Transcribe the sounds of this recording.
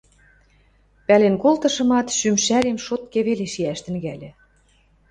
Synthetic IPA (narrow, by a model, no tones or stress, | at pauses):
pælenkolt̪ɤ̆ʃɤ̆mɑt̪ʃymʃæɾemʃot̪keβeleʃiæʃt̪ɘ̆ŋɣælʲĕ